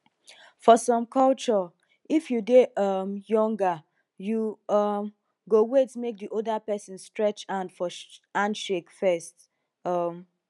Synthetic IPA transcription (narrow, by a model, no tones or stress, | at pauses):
fɔsɔ̃mkʰɔlt͡ʃɔ | ifjudeʌmjɔ̃ŋɡa | juʌm | ɡowetmek̚diʔodapɛsĩnstɹɛt͡ʃãndfɔãnʃekfɛst | ʌm